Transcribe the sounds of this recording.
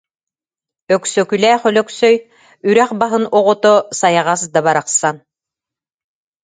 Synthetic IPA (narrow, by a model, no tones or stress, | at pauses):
œksœkylɛːχœlœksœj | yɾæχbaɦɯnuʁɔt̪ɔsajaʁas̬d̪abaɾaqsan